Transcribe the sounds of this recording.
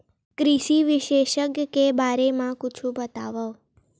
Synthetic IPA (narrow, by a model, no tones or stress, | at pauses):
kɾiʃiʋɪʃeʃəkkebaɾemãkʊt͡ʃʰũbət̪aʋəʋ